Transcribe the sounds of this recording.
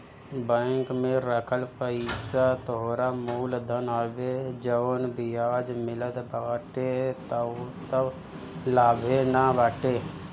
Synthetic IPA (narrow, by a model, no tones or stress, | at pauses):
bəŋkmẽɾəkʰəlpəɪsat̪ooɾamuːld̪ʱənaːʋed͡ʒəʋnbɪjaːd͡ʒmɪləd̪baːʈet̪t̪ə | laːbʱenabaːʈeː